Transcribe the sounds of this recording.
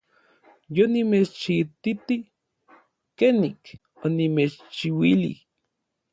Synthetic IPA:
jonimet͡ʃt͡ʃit̪it̪i | kenik | onimet͡ʃt͡ʃiwilḭ

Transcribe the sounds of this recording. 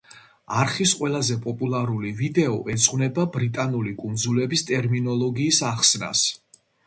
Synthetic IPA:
aɾχisqʼwɛlˠazɛpʼɔpʼulˠaɾulivid̪ɛɔʔɛt̪sʼqʼnɛbabɾit̪ʼanulikʼund̪zulɛbist̪ʼɛɾminɔlˠɔɡiːsaχsna̰s

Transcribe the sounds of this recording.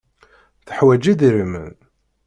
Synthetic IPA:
θəħwæd͡ʒiðiɾimə̰n

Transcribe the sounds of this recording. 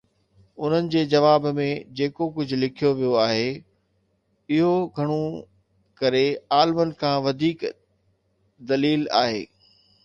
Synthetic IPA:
ʊn̤ənɪ̆d͡ʑeːd͡ʑɐʋaːbmẽd͡ʑeːkokʊd͡ʑʱʊ̆lɪkʰijoʋijoaːɦe | ɪɦoɡʱɐɽ̃o | kɐɾeaːlmənɪ̆kʰãːʋɐd̪ʱiːk | d̪ɐliːla̰ːɦḛː

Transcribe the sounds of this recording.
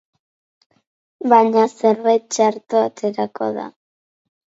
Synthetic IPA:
βaɲaseret͡ʃaɾt̪oat̪e̞ɾako̞̰ða̰

